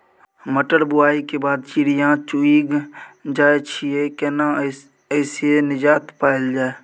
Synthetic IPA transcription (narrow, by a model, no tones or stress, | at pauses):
məʈəɽbʊaːikebaːd̪t͡ʃiɾɪjãt͡ʃuiɡd͡ʒaːet͡ʃʰiekɛːnã | əɪsienɪd͡ʒaːt̪paːɪld͡ʒaːe